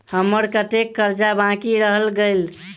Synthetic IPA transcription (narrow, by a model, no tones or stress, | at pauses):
həmːəɾkəʈekːəɾd͡ʒabãkiɾəɦəlɡel